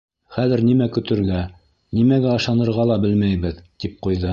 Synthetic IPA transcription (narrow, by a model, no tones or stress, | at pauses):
χæðɘ̆ɾnimækɵ̆t̪ɘ̆ɾɡæ | nimæɡæɤ̆ʃɑnɤ̆ɾʁɑlˠɑbɘlmæjβɘðt̪ip̚qujðɤ